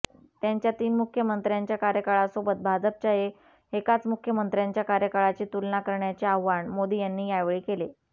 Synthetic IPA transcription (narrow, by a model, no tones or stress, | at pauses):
t̪jaɲt͡ɕjat̪iːnmukʰːjəmənt̪ɾjaɲt͡ɕjakaɾjəkaɭasobʱət̪̚bʱad͡zəp̚t͡ɕaɦe | ekat͡smukʰːjəmənt̪ɾjaɲt͡ɕjakaɾjəkaɭat͡ɕiːt̪ulnakəɾɳjat͡ɕeaʋʋaɳmod̪iːjanːiːjajʋɭiːkele